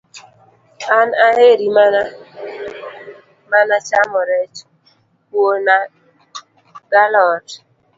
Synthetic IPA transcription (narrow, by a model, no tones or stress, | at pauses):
anaheɾimana | manat͡ʃamɔɾɛt͡ʃ | wona | ɡ̥alɔt